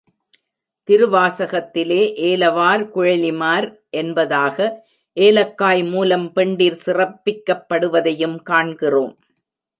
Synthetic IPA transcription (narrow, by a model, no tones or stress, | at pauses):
t̪ɪɾɯʋaːsɐɣɐt̪ːɪleːʔeːlɐʋaːɾkʊɻɐlɪmaːɾ | ʔɛnbɐðaːɣɐ | ʔeːlɐkːaːjmuːlɐmpɛɳɖiɾsɪrɐpːɪkːɐpːɐɽɯʋɐðɐjɯmkaːɳɡɪroːm